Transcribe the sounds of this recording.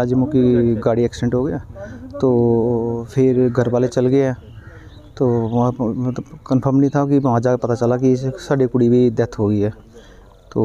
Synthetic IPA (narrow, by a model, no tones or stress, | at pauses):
aːd͡ʒmõkiɡaːɽiɛːksʈẽɳʈɦoːɡəjat̪oːpʰɪɾɡʱəɾbaːlet͡ʃɐlɡəjɦɛː | t̪oː | ɐt̪əbkənpʰəɾmnəɦĩt̪ʰakimãːd͡ʒakpɐt̪at͡ʃəlakisaːɖikʊɽibʱid̪ɛːt̪ʰɦoːɡəiɦɛː | t̪oː